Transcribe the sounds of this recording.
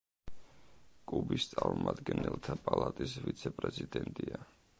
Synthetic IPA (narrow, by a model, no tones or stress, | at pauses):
kʼubist̪sʼaɾmumad̪ɡɛnɛlˠt̪ʰapʼalˠat̪ʼisvit̪sʰɛpʼɾɛzid̪ɛnt̪ʼia